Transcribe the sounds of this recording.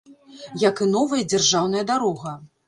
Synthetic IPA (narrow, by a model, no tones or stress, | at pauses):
jɐkɨnɔvɐjɐd͡zʲarʐawn̪ɐjɐd̪aɾɔɣɐ